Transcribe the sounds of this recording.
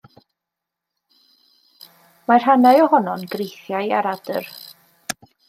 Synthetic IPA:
mar̥hanajɔhɔnɔnɡrejθjajaɾadər

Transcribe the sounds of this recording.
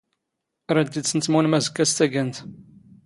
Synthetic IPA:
ɾæd̪id̪t͡sːənt͡s̪ːmunmæzəkːæst̪æɡænt̪

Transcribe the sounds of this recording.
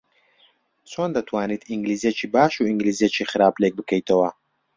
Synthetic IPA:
t͡sʰond̪ɐt̪ʰwaːnit̪ʰiŋɡliːzet͡ʃʰiːbaːʃuiŋɡliːzet͡ʃʰiχɨɾaːblek̚bɨkʰəjt̪ʰɐwɐ

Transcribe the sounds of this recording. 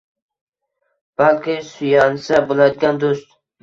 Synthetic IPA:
b̥alkʲɪsʊjansabolˠad̪ɪɡʲand̪ost̪̚

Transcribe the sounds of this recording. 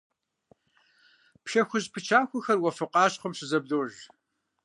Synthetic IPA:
pʃɐxʷʊʑpʰɨt͡ʃʰaːxʷʊxɐrwɐfɨqɑːɕχʷʊmɕɨzɐb̚doːʒ

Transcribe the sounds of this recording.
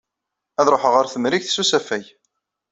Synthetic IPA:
æðɾˤoħəʁəɾθəmɾiçθsusæfæj

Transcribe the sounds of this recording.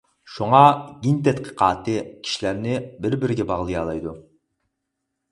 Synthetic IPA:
ʃuŋɑɡʲint̪ʰɛt̪̚qʰə̥qɑːt̪ɨkʲʰi̥ʃilæɾnɪbɪɾbɪɾɪɡʲɛbɑʁlˠɨjɑːlˠɑjd̪u

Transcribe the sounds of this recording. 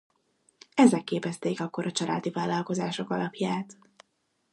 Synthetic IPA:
ɛzɛkːeːpɛst̪eːkɒkːo̞ɾɒt͡ʃɒlʔa̰ːd̪ivaːlːɒlko̞zaːʃo̞kɒlɒpjaːt̪

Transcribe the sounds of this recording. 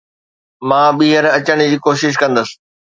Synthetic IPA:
mãːɓiːɦəɾɐt͡ɕəɽ̃d͡ʑiːkoːʃɪʃ̬kɐ̃nd̪əsɪ̥̆

